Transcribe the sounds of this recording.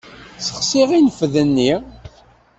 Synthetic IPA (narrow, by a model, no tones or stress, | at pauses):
sə̥χsiʁinəfðənːi